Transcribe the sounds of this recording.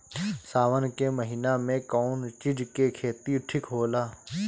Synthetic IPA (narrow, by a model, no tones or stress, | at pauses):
saːʋənkeməɦiːnamẽkɔːnt͡ʃid͡ʒkekʰeːt̪iʈʰɪkɦoːlaː